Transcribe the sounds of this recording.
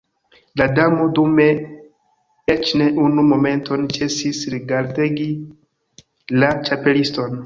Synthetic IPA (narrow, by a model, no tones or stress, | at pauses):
ladamo̞dume̞ | et͡ʃne̞ʔunumo̞me̞nto̞nt͡ʃe̞sisɾiɡaɾteɡi | lat͡ʃape̞listo̞n